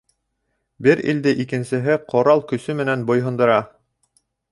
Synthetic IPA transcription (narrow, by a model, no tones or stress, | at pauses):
bɘɾḭld̪ɘʔikɘ̆nsɘ̆ɦɘqʰŏɾɑlˠkɵ̆sɵmɘ̆nænbŏjɦɤ̆nd̪ɤ̆ɾɑ